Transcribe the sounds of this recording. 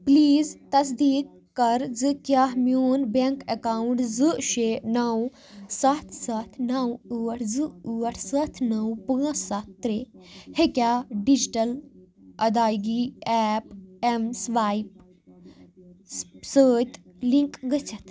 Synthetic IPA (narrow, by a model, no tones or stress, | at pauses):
pliːzt̪ɐs̬d̪iːk̚ːɐɾd͡zɨkjaːɦmjoːnbeŋkekaːwɳʈd͡zɨʃenaw | sat̪ʰsat̪ʰnawuʋɐʈʰd͡zɨuɐʈʰsɐt̪ʰnawpəɐsat̪ːɾehekʲjaːɖid͡ʑiʈɐl | ʔɐd̪aːjɡiɛp̚emsʋaːjp̚ | səːt̪liŋkʼɡət͡ʃʰɐt̪ʰ